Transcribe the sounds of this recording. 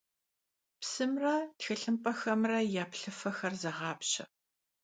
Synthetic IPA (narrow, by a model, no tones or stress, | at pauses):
psɨmrɐtxɨɬɨmpʼɐxɐmrɐjaːpɬɨfɐxɐrzɐʁɑːpɕɐ̰